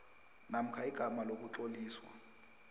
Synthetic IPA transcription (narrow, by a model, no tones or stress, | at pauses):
nam̩kʰaiɡ̥ʱamalok̬ʼut͡ɬoliːswa